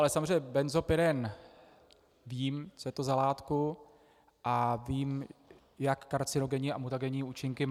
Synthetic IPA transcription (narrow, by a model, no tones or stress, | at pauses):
ʔalɛsamozreɛɲːɛbɛnzopjɛdɛn | viːmt͡sojɛt̪ozalaːt̪ku | ʔaviːm | jakːaɾt͡sɪno̞ɡɛɲiʔamut̪aɡɛɲiːuːt͡ʃɪŋkɪm